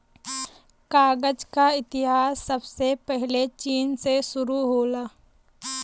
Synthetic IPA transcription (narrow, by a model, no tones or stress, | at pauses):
kaːɡəd͡ʒkaɪt̪ɪɦaːsːəbsepɛɦɪlet͡ʃiːnseʃʊɾuɦoːlaː